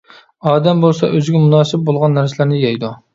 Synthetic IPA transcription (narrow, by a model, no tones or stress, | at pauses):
ɑːd̪ɛmbolˠsɑ̰ʔøzɪɡʲɛmunɑːsɪp̚bolˠʁɑnːæɾsɪlɪɾnɪjɛjd̪u